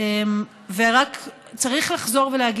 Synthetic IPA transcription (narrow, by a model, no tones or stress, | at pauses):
em | veʁak | t͡saʁiχlaχzo̞ʁvelehaɡ